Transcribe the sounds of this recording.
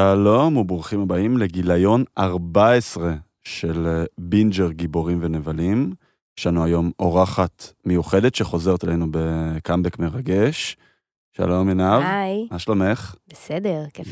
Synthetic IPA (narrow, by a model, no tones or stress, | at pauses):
ʃalo̞muboχimhabaimle̞ɡilajo̞naʁbaesʁe̞ | ʃe̞lbind͡ʒeʁɡibo̞ʁimve̞nevalim | ʃanuajo̞mo̞ʁaχatmejuχe̞det̪ʃeχo̞ze̞ʁet̪alejnubekambekmeʁaɡe̞ʃ | ʃa̰lo̞mjenavjmaʃlome̞χbesedeʁke